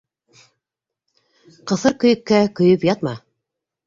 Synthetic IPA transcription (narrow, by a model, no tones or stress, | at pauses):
qɤ̆θɤɾkɵ̆jɘ̆kːækɵ̆jɵpjɑt̪mɑ